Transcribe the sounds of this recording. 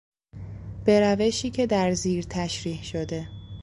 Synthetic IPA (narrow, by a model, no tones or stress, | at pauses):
b̥e̞ɾæve̞ʃiːcʰe̞d̪æɾziːɾt̪ʰæʃɾiːhʃod̪e̞